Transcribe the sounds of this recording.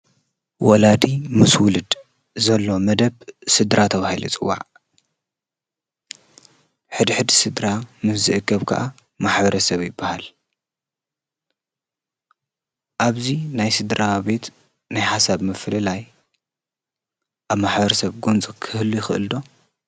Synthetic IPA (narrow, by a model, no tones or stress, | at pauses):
wɔlad̪imɨswulɨd̪ | zɐlːo̞mɐd̪ɐβsɨd̪ɾat̪ʰɐβahilut͡sʼɨwːa̰ʕ | ħɨd̪iħɨd̪isɨd̪ɾamɨszɨʔɨkʰːɐβkʰa̰ʔa | maħbɐɾɐsɐβjɪbːahal | ʔaβzinajsɨd̪ɾʔabe̞t̪ | najħasaβmɨflɨlaj | ʔaβmaħbɐɾɐsɐβɡont͡sʼikʰɨhɨlːujɪxɨ̰ʔɨ̰ld̪o̞